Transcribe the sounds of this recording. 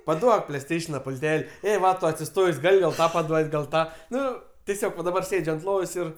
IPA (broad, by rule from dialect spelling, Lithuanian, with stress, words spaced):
pɐˈduɔk pʲlʲɛɪˈsʲtʲɛɪʃʲɛnɐ pʊlʲˈtʲɛlʲ ˈeː ˈʋɐ ˈtʊ ɐtʲsʲɪˈstoːjsʲ ˈɡɐlʲ ɡɐlˠ ˈtɑː pɐˈduɔtʲ ɡɐlˠ ˈtɑː ˈnʊ tʲɪˈsʲoːk ʋɐ dɐˈbɐr ˈsʲeːt͡ʃʲ ɐnt ˈlˠoːʋoːs ɪr